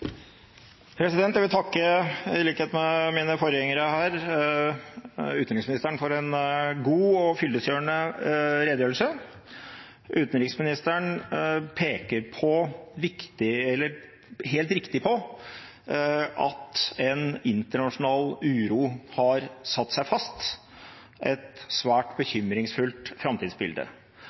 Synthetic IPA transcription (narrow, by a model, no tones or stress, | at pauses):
pʰɾɛsɪd̪ɛnt̪jæʋɪlt̪ʰɑkːəɪliːkəheːt̪mɛmiːnəfoːɾəjɛŋəɾəhæːɾ | ʉːt̪nɾɪksmɪnɪst̪æɳfɔɾɛnɡuːɔfʏld̪əsjøːɳəɾeːd̪jøːlsə | ʔʉːt̪ənɾɪksmɪnɪst̪əɳpʰeːkəɾpʰɔʋɪkt̪ɪɛlːəɾ | ɦeːlt̪ɾɪkt̪ɪpʰɔ | ʔɑ̰t̪ɛnɪnt̪əɳɑʂʊnɑːlʉːɾuːhɑɾsɑt̪ːsæɪfɑst̪ | ʔɛt̪sʋæːʈbəçʏmɾɪŋsfʉlt̪fɾɑmt̪ʰiːd̪sbɪ̰ld̪ə̰